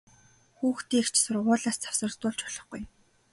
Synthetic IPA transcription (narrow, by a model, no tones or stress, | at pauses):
xuːxt̪iːkt͡ɕsʊrʁʊːɮaːst͡sʰḁwsə̆ɮt̪ʊːɮt͡ɕʊɮɞ̆χɡuj